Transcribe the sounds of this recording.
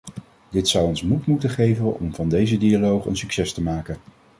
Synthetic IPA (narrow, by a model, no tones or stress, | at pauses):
dɪtsʌwɔnsmutmutəχejvənɔ̰mvɑndejzədialowχə̰nsyksɛstəmaːkən